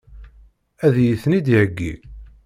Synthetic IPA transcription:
æðjiθnid̪ʕəɡːḭ

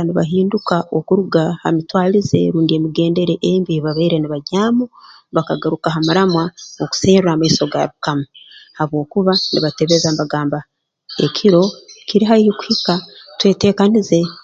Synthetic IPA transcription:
niβa̰ɦiːndukaokuɾuɡaha̰mitwaːlize̞̰ɾuːndie̞miɡe̞ːnde̞ɾe̞ʔembiβaβaiɾe̞niβaɟaːmu | βakaɡaɾukaɦamuɾamwaoku̥seːɾuɾaːmaiso̞ɡa̰βukamahaβwo̞ːkuβanḭβateβe̞zambaɡaːmba | e̞̰kʰiɾo̞kiɾiɦaihiku̥hikatwe̞ːte̞ːkanize̞

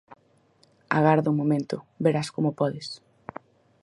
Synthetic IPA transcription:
a̰ɣaɾðʊmomẽnt̪ʊ̰beɾaskomopɔðes

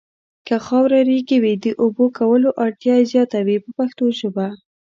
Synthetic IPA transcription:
kaxɑwɾaɾiɡiwid̪əʔobokawəloʔɑɾt̪jɑezjɑt̪awipəpaxt̪oʒoba

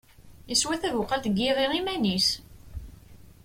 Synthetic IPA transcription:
iswæθæðʊqːəlt̪əɡːiʁiʁimænis

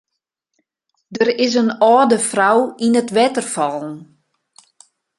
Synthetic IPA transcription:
dəɾɪs̬ənɔːdəfrawinətʋɛtərfɔlˠn̩

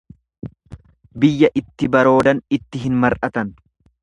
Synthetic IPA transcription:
bɪjːɐʔɪt̪ːɪbɐɾo̞ːd̪ɐnɪt̪ːɪɦɪnmɐɾʔɐt̪ɐn

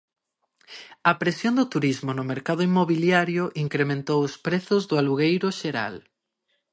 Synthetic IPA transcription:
ɐpɾesjond̪ʊt̪uɾizmʊnʊmeɾkaðʊimːoβiljaɾjʊʔiŋkɾemẽnt̪owʊspɾeθʊzðʊaluɣ̞ejɾʊʃeɾa̰l

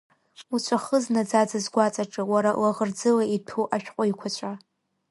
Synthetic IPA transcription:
ut͡ɕʷʰʼaχəznad͡zad͡zazɡʷat͡sʼaʈ͡ʂʼɨwaɾalaʁərd͡zɨlaitʰuʔaʃᶣqʷʼʊjkʷʰat͡ɕʷʰa

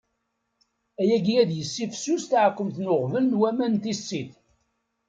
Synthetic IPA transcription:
æjæɡijæd̪jəsːifsust̪ʕkːəmt̪nʊʁvəlnwæmænt̪isːiθ

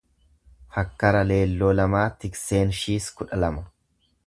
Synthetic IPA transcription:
hɐkːɐɾɐle̞ːlːoːlɐmaːt̪ɪkse̞ːnʃiːskʊᶑɐlɐmɐ

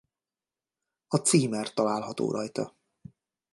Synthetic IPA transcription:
ɒt̪siːmɛrt̪ɒlaːlɦɒt̪o̰ːɾʔɒjt̪ɒ

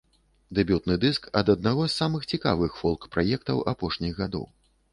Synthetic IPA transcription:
d̪ɛbʲut̪nɨd̪ɨskɐd̪ɐd̪̚naɣɔsːamɨxt͡sʲikavɨxfɔlˠkpɾʔajɛk̚t̪ɐwapɔʂnʲiɣɣad̪ɔ̰w

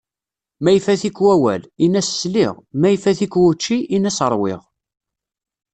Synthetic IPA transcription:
mæjfæθikːwæwæ̰linæsːlɪ̰ʁmæjfæθikwut͡ʃːiʔinæsəɾˤwɪ̰ʁ

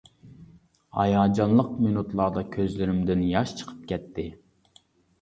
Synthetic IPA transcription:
hɑ̰jɑːd͡ʒɑnlˠəq̚minut̪lˠɑd̪ɑkʲʰøzlɪɾɪmd̪ɪnjɑʃt͡ʃʰə̥qʰə̥p̚kʲʰɛt̪ʰːɪ

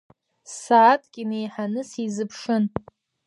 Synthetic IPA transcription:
saːtʼkʲʼinejħanɨsizɨpʰʂɨn

